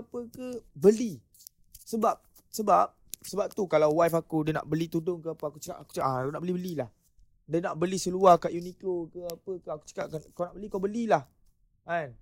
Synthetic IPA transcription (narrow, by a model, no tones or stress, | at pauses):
apəkəbəli | səbap̚ | səbap̚səbap̚t̪ukalawwajfakudiəna̰ʔbəlit̪udʊŋkəapəakut͡ʃəka̰ʔaku̥t͡ʃʔakunaʔbəlibəlilah | dənaʔbəlisəluakaʔjunikokəapəkaaku̥t͡ʃə̥kaʔkankawnaʔbəlikawbəlilah | an